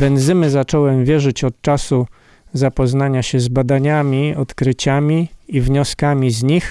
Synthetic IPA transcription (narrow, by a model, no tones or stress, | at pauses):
bɛnzɘmɘzat͡ʂɔwɛmvʲjɛʐɘt͡ɕɔt̪̚t͡ʂasu | zapɔznaɲaɕɛzbad̪aɲamʲiɔt̪kɾɘt͡ɕamʲiivɲɔskamʲizɲix